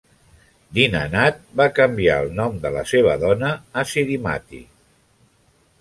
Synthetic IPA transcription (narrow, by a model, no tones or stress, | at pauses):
d̪inənat̪̚bakəmbia̰əlˠnɔmd̪ələ̰seβ̞əðɔnəːsiɾima̰t̪ḭ